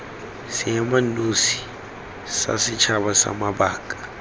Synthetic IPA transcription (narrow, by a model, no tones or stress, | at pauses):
semɐnːoːsi̥ | sa̰sit͡ʃabasa̰mabaːkʼa